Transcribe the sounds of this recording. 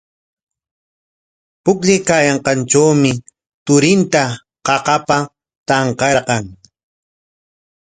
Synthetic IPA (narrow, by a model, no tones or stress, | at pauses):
pʊkʎɪjkaːjɑɴqɑnʈ͡ʂawmɪ | t̪ʊɾɪnt̪a | qɑqɑpa | t̪ɑɴqɑɾqɑŋ